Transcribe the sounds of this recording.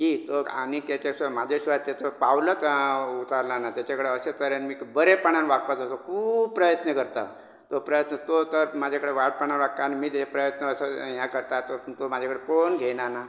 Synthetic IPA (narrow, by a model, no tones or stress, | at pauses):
kit̪oa̰ñit̪jat͡ɕasmad͡ʑʱeɕʋat̪t̪ːet͡sopawlət̪ut̪aɾnanat̪jat͡ɕakəɽeəset̪əɾjanmiːbəɾepaɳ̃anʋak̚pad͡zʱat̪okʰub̚pːɾəjət̪nəkəɾt̪a̰ | t̪opɾəjət̪nət̪ot̪əɾmad͡ʑʱakəɽeʋaʈ̚paɳanʋak̚t̪aːnimiːt̪ɦepɾəjət̪nəːsəjãkəɾt̪at̪ot̪omad͡ʑʱakəɽeponɡʱeñana